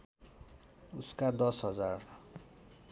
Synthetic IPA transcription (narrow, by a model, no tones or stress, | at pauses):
uskad̪ʌsɦʌd͡zar